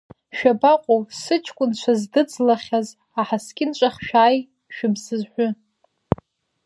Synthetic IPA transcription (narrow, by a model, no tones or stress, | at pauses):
ʃᶣabaqʷʼowsɨt͡ʃʰkʷʼʊnt͡ʃʷʰazdɨd͡zlaχʲaz | aħaskʲʼɪnt͡ʃʷʼaχʲʃᶣaːj | ʃᶣɪbzɨzħʷʊ